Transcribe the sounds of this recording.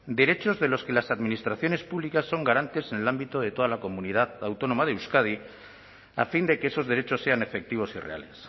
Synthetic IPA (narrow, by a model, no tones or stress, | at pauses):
d̪e̞ɾe̞t͡ʃo̞zðe̞lo̞ske̞lasaðminist̪ɾaθjo̞ne̞spuβlikasːo̞ŋɡaɾant̪e̞senelambit̪o̞ðe̞t̪o̞ðalako̞mũnið̞aðawt̪o̞no̞maðeuskað̞i | a̰find̪e̞keeso̞zðe̞ɾe̞t͡ʃo̞sːe̞ane̞fe̞k̚t̪iβ̞o̞sire̞̰a̰les